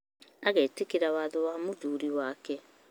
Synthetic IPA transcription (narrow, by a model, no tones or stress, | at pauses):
aɣeːtekiɾawaðowamuðuːɾiwaːkɛ